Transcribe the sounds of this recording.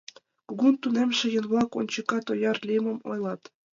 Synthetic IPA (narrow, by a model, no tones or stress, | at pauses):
kuɡunt̪unemʃɘ̆jɤ̆nβɑkont͡ɕɤ̆kːɑt̪ojɑrlʲimɤ̆mo̰jlˠɑt̪